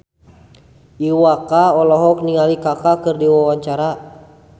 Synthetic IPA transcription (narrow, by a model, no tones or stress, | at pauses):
iwakaɔlɔɦɔkniŋalikakakɨrdiwawaɲt͡ʃaɾa